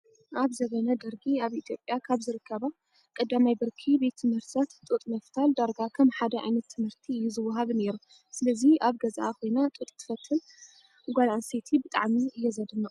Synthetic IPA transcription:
ʔaβzɐβɐnɐd̪ɐɾɡiaβit̪ʰjo̞pʼjakʰaβzɨɾɨkʰːɐβa | kʼɐd̪ːamajbɨɾkʰibe̞t̪ʰːɨmhɨɾt̪sat̪t̪ʼut̪ʼmɐft̪ʰald̪aɾɡakʰɐmħad̪ɐʕa̰jnɐt̪ʰːɨmhɨɾt̪ʰiɨjːuzɨwːɐɦaβne̞ɾu | sɨlɐziaβɡɐzʔaxo̞jnat̪ʼut̪ʼt̪ʰɨ̥fɐt̪ʰːɨl | ɡʷalanset̪ʰibɨt̪ʼa̰ʕmiɨjɛzɐd̪ɨnːɐ

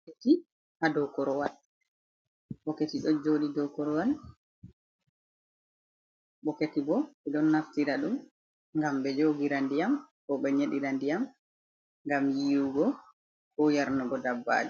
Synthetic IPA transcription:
keti | hadɔkɔɾɔwal | ɓɔketiɗɔd͡ʒoɗidɔkɔɾɔwal | ɓɔketibɔɓɛɗɔnːaftiɾaɗum | ŋɡambɛd͡ʒoɡiɾandijamkɔɓɛɲeɗiɾandijam | ŋɡamjiːwuɡɔ | kɔjaɾnɔɡɔdabːa̰ːd͡ʒɛ

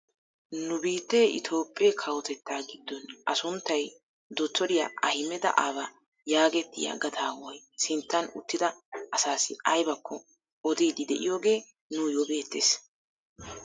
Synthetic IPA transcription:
nʊbiːt̪ːeːʔɪ̰t̪ʰo̞ːpʼːekʰɐwɔt̪ɛt̪ːaːɡɪd̪ːɔnʔɐsʊnt̪ːɐj | d̪ɔt̪ːɔɾɪja̰ʔɐhɪmɛd̪ɐ̰ʔaːbɐ | jaːɡɛt̪ːɪjɐ̰ɡɐd̪aːwɔjsɪnt̪ːɐnʊ̰t̪ːɪd̪ɐɐsaːsɪɐjbɐkʰːɔ | ɔd̪iːd̪ɪd̪ɛʔɪjo̞ːɡe̞ː | nʊjoːbe̞ːt̪ːeːs

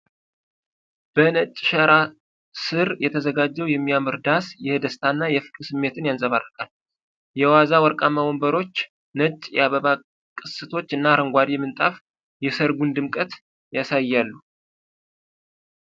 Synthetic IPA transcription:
b̥ənət͡ʃʼːʃəɾa | sɨɾjɛt̪ʰəzəɡad͡ʒːɛwjɛmːijamɨɾd̪asjɛd̪əst̪ʰanːajɛfɨ̥kʼsɨmːe̞t̪ʰɨnjansʼəβarːəkʼal | jɛwazawɔɾkʼaməwombəɾo̞t͡ʃː | nət͡ʃʼːjɛ̰aβəβa | kʼɨsɨt̪ʰo̞t͡ʃːɨnːaɾəŋɡʷad̪imɨnt̪ʼaf | jɛsəɾɡʷund̪ɨmkʼət̪ | jasajːalːu

